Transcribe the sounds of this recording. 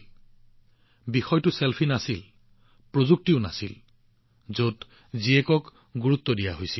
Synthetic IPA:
bixɔjtʊselpʰinasil | pɹozuk̚tiʊna̰sil | zot | ziɛkɔk | ɡuɹut̪ːɔdijaɦojsil

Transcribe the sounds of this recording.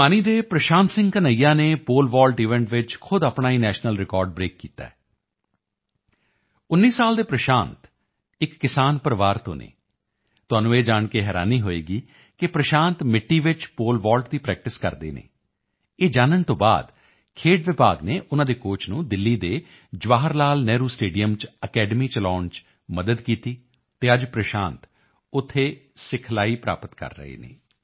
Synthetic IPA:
aːniːd̪eːpɾəʃãːnt̪sɪ̃ŋɡkənəijãːneːpoːlʋaːlʈiːʋɛ̃ːɳʈʋɪt͡ʃkʰʊd̪apɳaːiːnɛːʃnəlɾɪkɔːɾɖbɾeːkːḭːt̪a̰ːɛ | ʊnːiːsaːld̪eːpɾəʃaːnt̪ | ɪkːɪsaːnpəɾʋaːɾt̪õ̰ːnḛː | t̪ʊaːnũːeːd͡ʒaːɳkeɦɛːɾa̰ːniːɦoːeːɡiː | kɪpɾəʃãːnt̪mɪʈːiːʋɪt͡ʃpoːlʋaːlʈd̪iːpɾɛːk̚ʈɪskə̰ɾd̪ḛːnḛː | eːd͡ʒaːnəɳt̪õːba̰ːd̪ | kʰeːʈʋɪpaːɡneːʔʊnãːd̪eːkoːt͡ʃʰnũːd̪ɪlːiːd̪eː | d͡ʒʋaːɦəɾlaːlnɛːɾuːsʈeːɖijəmt͡ʃəkɛːɖəmiːt͡ʃəlaːɳt͡ʃ | məd̪əd̪kiːt̪iː | t̪eːəd͡ʒpɾəʃãːnt̪ | ʊt̪ʰːeːsɪkʰlaːiːpɾa̰ːpət̪kə̰ɾːə̰ɦḛːnḛː

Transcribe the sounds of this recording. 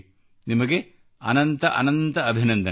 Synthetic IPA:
nimɐɡe | ɐ̰nɐnt̪ɐʔɐ̰nɐnt̪ɐɐbʱinɐnd̪ɐ

